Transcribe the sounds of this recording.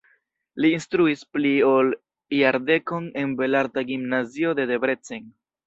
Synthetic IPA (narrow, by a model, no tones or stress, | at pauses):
liːnstɾuispliol | ijaɾde̞ko̞ne̞nbe̞laɾtaɡimnazio̞de̞de̞bɾe̞t͡seŋ